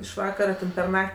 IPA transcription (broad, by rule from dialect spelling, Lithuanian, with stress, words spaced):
ɪʃ ˈʋɑːkɐrɐ tʲɛn pʲɛr ˈnɐkʲtʲ